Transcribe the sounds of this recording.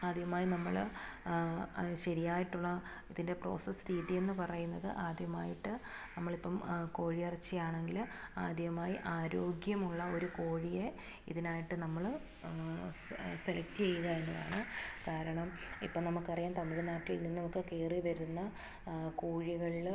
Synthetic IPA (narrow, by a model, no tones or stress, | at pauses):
aːd̪jɐmaːjinɐmːɐɭ | ɕɐɾijaːjiʈːuɭːɐ | iðinde̞pro̰ːsɐsɾiːt̪ije̞nːɨpɐrɐjunːɐðɨ̰ʔaːd̪jɐmaːjiʈːɨnɐmːɐɭipːɐmko̞ːɻijɐrit͡ɕːɐjaːɳe̞ŋɡilaːd̪jɐɐmaːjiʔaːɾo̞ːɡjɐmuɭːɐo̞ɾuko̞ːɻije̞ | ḭðinaːjiʈːɨnɐmːɐɭ | selɐk̚tɨt͡ɕe̞jːuɣɐenːɐða̰ːɳɨkaːɾɐɳɐm | ḭpːoːnɐmːukːɨɐrɐjaːnt̪ɐmːiðenaːʈːiilnːinːɐmukːɨkeːriʋɐɾunːɐ | kuːɻiɣɐɭiɭ